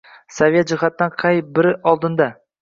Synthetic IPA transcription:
savjet̪̚d͡ʒɪχat̪ːanqʰɑjbɪɾɪʔɒlˠd̪ɪnd̪a

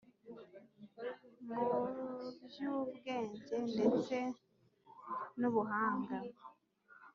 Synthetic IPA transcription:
muβjuβɡe̞ːɲɟe̞nde̞t͡se̞ | nuβuɦaːŋɡa

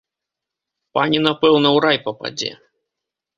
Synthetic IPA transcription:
panʲinapɛwnɐwɾajpɐpa̰d͡zʲɛ̰

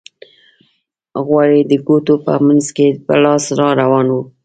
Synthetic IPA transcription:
ɣwɑɽid̪əɡot̪opə̰manzkepə̰lɑsɾɑɾawɑnwu

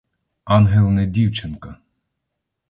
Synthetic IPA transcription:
ɑnɦɛlˠnɛd̪ʲiwt͡ʃʰɛnka

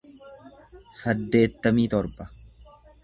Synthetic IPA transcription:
sɐd̪ːe̞ːt̪ːɐmiːt̪ɔɾbɐ

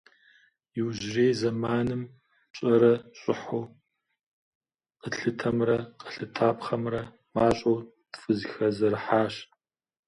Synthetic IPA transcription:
jɪwʒreːzɐmaːnɨm | ɕʼɐɾɐɕʼɪħoː | qəɬɨtʰɐmrɐqəɬɨtʰaːpχɐmrɐ | maːɕʼow | tfʼɨzxɐzɐrħaːɕ

